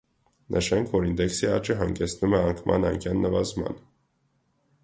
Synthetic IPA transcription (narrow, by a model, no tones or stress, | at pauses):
nʔəʃɛŋkʰvɔɾind̪ɛksiɑt͡ʃiɦɑŋɡɛsnumɛɑŋkʰmɑ̰nɑŋkʰjɑnːəvɑzmɑ̰n